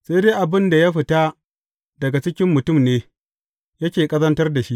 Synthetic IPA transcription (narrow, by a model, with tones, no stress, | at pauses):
se˦deː˦ʔa˨bɪ˦nda˨ja˦ɸɪ˨ta˦ | dɐ˨ɡa˨t͡ʃɪ˦kʲɪ˦mːʊ˨tʊ˦˨mneː˦ | jɐ˦kʲeː˨kʼɐ˦zɐ˦ntɐ˦rda˨ʃi˦ʔ